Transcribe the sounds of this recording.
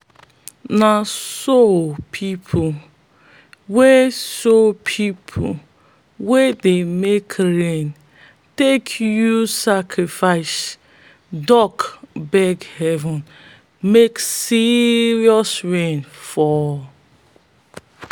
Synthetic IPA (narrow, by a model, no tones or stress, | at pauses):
nasopʰipʰu | wesopʰipʰo | wedemekʰɾẽn | tekʰjusakɹifaɪs | dɔkbɛɡhɛvɔ̃n | meksiɹiɔsɹẽnfɔ